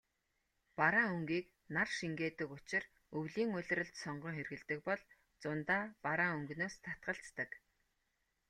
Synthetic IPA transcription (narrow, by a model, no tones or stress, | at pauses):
paɾaːŋɵŋɡiːk | narʃiŋɡeːt̪ɘ̆kʊt͡ɕɪ̆r | ɵwɮiːŋʊɮ̆ʲrə̆ɬt̪sɔɴɢɞ̆ŋχerɣɘ̆ɮt̪ɘ̆k̚pɔɮ | t͡sʊnt̪aːpaɾaːŋɵŋɡnoːst̪ʰḁt̪̚ɢə̆ɬt͡st̪ə̆k